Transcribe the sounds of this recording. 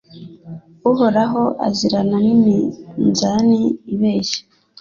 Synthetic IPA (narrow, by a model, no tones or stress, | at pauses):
uhoɾaɦoʔa̰ziɾananiminzaniːβeːʃe̥